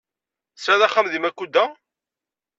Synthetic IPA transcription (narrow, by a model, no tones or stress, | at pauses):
sɾæðæχːamðimækʷːud̪ːæ